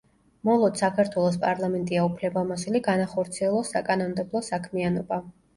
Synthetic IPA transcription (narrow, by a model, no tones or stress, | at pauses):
mɔlˠɔd̪sakʰaɾt̪ʰwɛlˠɔs̬pʼaɾlˠamɛnt̪ʼiaupʰlɛbamɔsuliɡanaχɔɾt̪sʰiɛlˠɔsːakʼanɔnd̪ɛblˠɔsakʰmianɔba